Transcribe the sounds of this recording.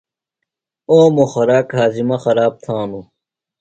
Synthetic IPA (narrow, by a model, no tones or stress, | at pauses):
oːmoxɐɾaːkɦaːzimɐxɐɾaːb̚t̪ʰãːnu